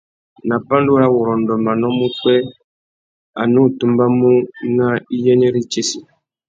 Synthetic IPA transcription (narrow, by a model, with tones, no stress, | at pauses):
na˨pa˦n˦du˦ɾa˦wɔ˨ɾɔ˨n˨dɔ˨mba˨nɔ˦mu˦k͡pɛ˦ | a˨nu˦˨tu˦mba˦mu˦na˦i˦jɛ˦ɲɛ˦ɾi˦t͡ʃe˦si˨